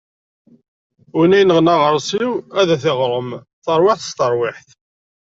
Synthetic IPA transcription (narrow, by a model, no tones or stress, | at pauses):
ʊnæjnəʁnaʁəɾˤsiwæðæθɪʁɾˤəm | θəɾˤweħθə̥st̪əɾˤwɪħθ